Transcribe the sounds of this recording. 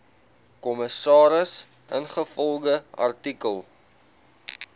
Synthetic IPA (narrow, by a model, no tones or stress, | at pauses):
kɔməsɑːɾəs | ʔə̰nχəfɔlˠɡəɐ̰rtikəlˠ